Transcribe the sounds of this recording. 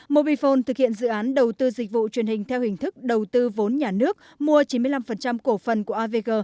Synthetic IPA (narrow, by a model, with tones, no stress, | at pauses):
mo˧ɓi˧fo˧nt̪ɨ˨˩k̚hi˧˨ənzɨ̰˧˨ʔaː˨˦nɗə˨˩wt̪ɨ˧zi˨˩k̟̚vṵ˧˨t͡ɕwi˧˩ənhï˨˩ŋ̟t̪ʰɛ˧whï˨˩ŋ̟t̪ʰɨ˦˥k̚ɗə˨˩wt̪ɨ˧vo˨˦nɲaː˨˩nɨ˦˥ək̚ | mu˧ət͡ɕi˨˦nmɨ˧əla˧mfə˨˩nt͡ɕa˧mko˧˩fə˨˩nku˧˩əʔaː˧ve˧ɣəː˧